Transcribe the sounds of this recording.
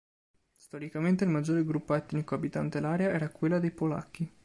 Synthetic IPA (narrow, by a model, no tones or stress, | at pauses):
st̪ɔɾikament̪eilmad͡ʒːoːɾeɡɾupːoɛt̪nikoabit̪ant̪elaːɾjaɛːɾakwelːad̪ejpola̰kːi